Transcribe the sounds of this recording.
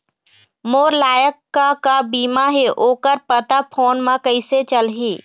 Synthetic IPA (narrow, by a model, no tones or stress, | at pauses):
moːɾlaːjəkːakabiːmaɦeʔoːkəɾpət̪apʰoːnmãkəɪset͡ʃəlɦeː